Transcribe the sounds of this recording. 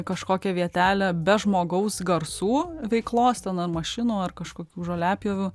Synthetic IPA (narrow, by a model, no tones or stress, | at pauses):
kɐʃkoːkʲɛʋʲiɛt̪ʲæːlʲɛbʲɛʒmoːɡɐʊsɡɐrsuːʋʲɛɪklˠoːst̪ʲɛnɐrmɐʃʲɪnuːɐrkɐʃkoːkʲuːʒoːlʲæːpʲjoːʋʲuː